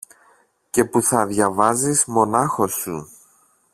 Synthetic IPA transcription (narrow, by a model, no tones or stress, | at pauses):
ce̞puθɐðʝɐvɐzizmo̞nɐxo̞su